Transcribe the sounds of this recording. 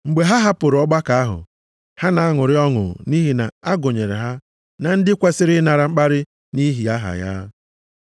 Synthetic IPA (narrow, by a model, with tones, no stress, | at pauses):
ŋ͡m̩˨ɡ͡be˨ɦa˦ɦa˦pʊ˨ɾʊ˨ɔ˦ɡ͡ba˦ka˨a˦ɦʊ̰˨ | ha˦na˨a˦ŋʊ˨ɾɪ˦ɔ˦ŋʊ̰˨ni˦ɦi˨na̰˨a˦ɡʊ˨ɲe˨ɾḛ˨ɦa˦ | na˨n̩˦dɪ˦kʷe˦sɪ˦ɾɪ˦na˨ɾa˨ŋ͡m̩˦k͡pa˦ɾɪ˦ | ni˦ɦi˨a˦ɦa̰˨ja̰ː˦